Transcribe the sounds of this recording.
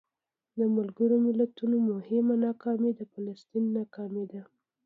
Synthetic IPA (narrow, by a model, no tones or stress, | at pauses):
d̪əmalɡəɽomɪlat̪unomʊhɪmanɑkɑmed̪əfɑlast̪inːɑkɑmed̪a